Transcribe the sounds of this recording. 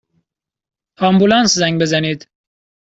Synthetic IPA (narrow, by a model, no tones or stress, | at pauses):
ɑmbulɑːnszæŋɡbezæniːd̪